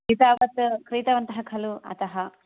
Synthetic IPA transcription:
it̪aːʋɐt̪kɾiːt̪ɐʋɐnt̪ɐɦɐkʰɐluɐ̰t̪ɐɦɐ

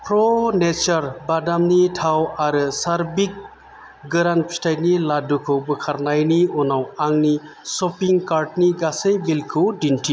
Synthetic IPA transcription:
pʰɾɔnet͡ʃaɾbadamnitʰawaɾɯsaɾbik̚ | ɡɯɾanpʰi̥tʰajniladukʰɯwbɯkʰaɾnajniɔnawaŋni | sɔpiŋkaɾʈniɡasejbilkʰɯwdintʰi

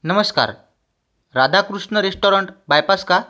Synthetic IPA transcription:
nəməska̰ɾ | ɾad̪ʱakɾuʂɳəɾesʈoɾəɳʈbajpaska

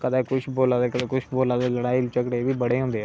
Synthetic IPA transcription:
kəd̪eːkʊʃboːlãːd̪eːkəd̪eːkʊʃboːlãːd̪eːləɽaːiːlt͡ʃəkɽeːbiːbəɽeːɦõːnd̪eː

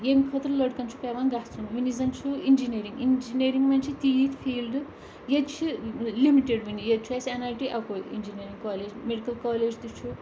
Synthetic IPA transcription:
jemikʰɐt̪ɾləɽkɐnt͡ʃʰu̥paʋanɡaɦt͡sʰunʋunizɐnt͡ʃʰuind͡ʒineɾiŋɡind͡ʒineɾiŋɡmɐnt͡ʃʰit̪ijit̪pʰiːlɖ | jed̪t͡ʃʰilimiʈeɖɦunijed̪̚t͡ʃʰuesenalʈiʔakoḭnd͡ʒineɾiŋkaːled͡ʒmeɖikɐlkaːled͡ʒd̪ut͡ʃʰu

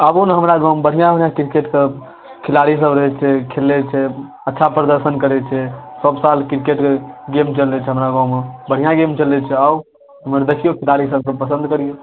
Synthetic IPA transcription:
əbunɦəmɾaɡãwmbəɽ̤ijãbəɽjãkiɾkeʈke | kʰilaɽis̬əbɾəɦɛt͡ʃʰɛkʰelːɛt͡ʃʰɛ | ətːʃʰapɾəd̪əɾsənkəɾɛt͡ʃʰɛsəbsalkiɾkeʈkeɡemt͡ʃəlɛt͡ʃʰɛɦəmɾaɡãwmebəɽ̤ijãɡemt͡ʃəlɛt͡ʃʰɛa | ɦəməɾd̪əkijokʰilaɽisəb̚kepəsə̃nd̪kəɾijo

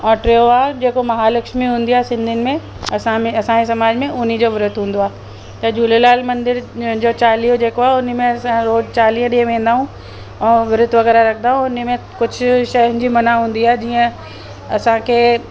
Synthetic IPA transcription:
ɔ̃ːʈɾeːoaːɦd͡ʑeːkomɐɦalɐkʃmiɦũːnd̪iaːesɪ̃nd̪ʱɪnɪ̆mẽ | ɐsãmẽɐsães̬ɐmaːd͡ʑmẽʔʊnid͡ʑoːʋɪɾʊt̪ɦũːn̆d̪oaː | t̪ɐd͡ʑuːlelaːlmɐ̃nd̪ɪɾd͡ʑoːt͡ɕaːlijod͡ʑeːkoaːʊnmẽɐsãɾoːzt͡ɕaːliɦə̃ɗiẽʋẽːnd̪aːɦũ | ɛ̃ːʋɪɾʊt̪ʋɐɣɛːɾaɾɐkʰnd̪aːɦũʊnmẽ | kʊd͡ʑʱʊʃɐɦɪ̃ɲd͡ʑimɐnaɦũːn̆d̪iaːɦed͡ʑiːə̃ | ɐsãkʰeː

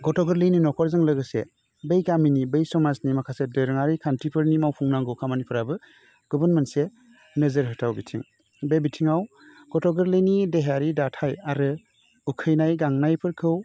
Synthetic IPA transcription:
ɡɔtʰɔɡɯɾlɯjninɔkʰɔɾzɯŋlɯɡɯse | bejɡaminibejsɔmaznimakʰasedɯɾɯŋaɾikʰantʰipʰɯɾnimawpʰuŋnaŋɡɯwkʰamanipʰɯɾabɯ | ɡ̥ɔbɯnmense | nɯzəɾɦɯtʰawbitʰḭŋ | bebitʰiŋaw | ɡ̥ɔtʰɔɡɯɾlɯjnideɦaɾidatʰajaɾɯ | ukʰɯjnajɡaŋnajpʰɯɾkʰɯw

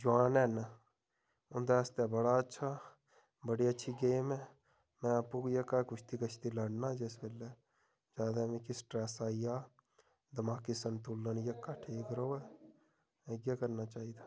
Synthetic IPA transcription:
d͡ʒʊaːnɛn | ʊnd̪aəst̪ebəɽaətːʃʰa | bəɽiətːʃʰiɡeːmɦɛ̃ | mɛ̃apukjekakʊt͡ʃʰt̪ikət͡ʃʰt̪iləɽnad͡ʒeːsbeːle | d͡ʒaːd̪amẽkisʈɾɛːsaːijaː | d̪əmaːkisənt̪ulːənjəkːaʈʰiːkɾoːɛ | eɡjekəɾnat͡ʃaːɦiːd̪aː

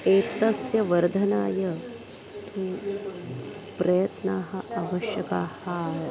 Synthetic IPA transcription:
eːt̪ɐsjɐʋɐɾd̪ʱɐnaːjɐ | pɾɐjɐt̪naːɦɐaʋɐʃjɐkaːhɐ

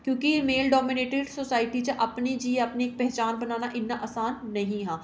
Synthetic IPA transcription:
kjõːkimeːlɖɔːmɪneːʈeɖsoːsaːɪʈit͡ʃãʔɐpnid͡ʒieɐpneeːk̚pɛɦt͡ʃaːnbɐnaːnaʔɪnːaʔaːsaːnːɐɦĩɦɛ̃ː

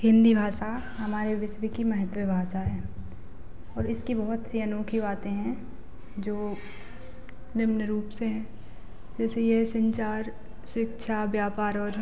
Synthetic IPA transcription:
ɦɪ̃nd̪ibʱaːʃa | ɦɐmaːɾeʋɪsʋikimɐɦət̪ʋebʱaːsaɦɛː | ɔːɾɪskibɐɦʊt̪siɐnoːkʰibaːt̪ẽɦɛ̃ | d͡ʒoː | nɪmnəɾuːpseɦɛ̃ː | d͡ʒɛːsejesɐ̃ɲt͡ʃaːɾ | ʃɪkʃʰaʋjaːpaːɾɔːɾ

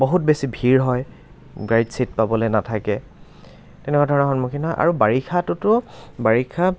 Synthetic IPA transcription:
boɦutbesibʱiɹɦɔj | ɡɹaɹitsit̚pabɔloejnatʰakɛ | tɛnɛkwadʱɔɹɔnɛxɔnmukʰinaʔa̰ɹubaɹikʰatʊtʊbaɹikʰa

